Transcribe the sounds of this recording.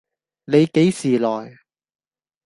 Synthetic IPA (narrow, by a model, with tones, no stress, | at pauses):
ne˨˧jke˨˥jsiː˨˩lɔː˨˩j